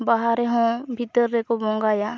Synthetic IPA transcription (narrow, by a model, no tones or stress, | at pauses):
baɦaɾeɦõːbʱɪt̪ːəɾːekobõːŋɡaːjaː